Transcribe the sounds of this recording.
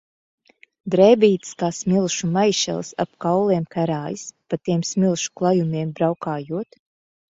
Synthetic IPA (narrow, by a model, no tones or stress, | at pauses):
d̪ɾɛːbiːt̪skaːsmʲilˠʃumajʃɛ̰lˠsa̰pkawlˠɛɛmkæɾaːjispat̪iɛmsmʲilˠʃu̥klˠajumʲiɛmbɾawkaːjuɔt̪